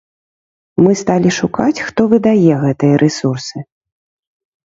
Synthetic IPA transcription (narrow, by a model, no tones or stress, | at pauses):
mɨst̪alʲiʂukat͡sʲxt̪ɔvɨd̪ajɛɣɛt̪ɨjɐɾʔɛsursɨ